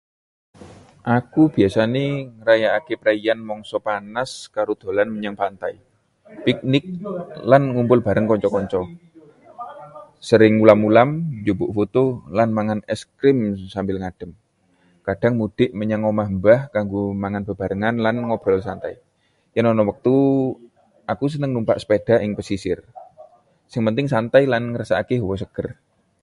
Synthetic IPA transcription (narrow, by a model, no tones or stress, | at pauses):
ʔakub̥i̤asaneɾajaːkepɾaianmɔŋsɔpanaskaɾud̪̥o̤lanməɲaŋpant̪ai | pik̚nɪk̚lanŋumpʊlb̥a̤ɾəŋkɔɲt͡ʃɔkɔɲt͡ʃɔ | səɾɪŋulamulamd͡ʒubʊʔfut̪ulanmaŋanɛskɾɪmsambɪlŋaɖ̥ə̤m | kad̥aŋmud̥ɪʔməɲaŋɔmaɦəmbahkaŋɡomaŋanb̥əb̥a̤ɾəŋanlanŋɔb̥ɾɔlsant̪ai | janɔnɔwək̚t̪u | ʔakus̬ənəŋnumpa̰ʔsə̥ped̥a̤ʔɪŋpəsisɪr | sɪŋpənt̪ɪŋsant̪ajlanŋəɾasaakeɦuwɔsəɡ̥ər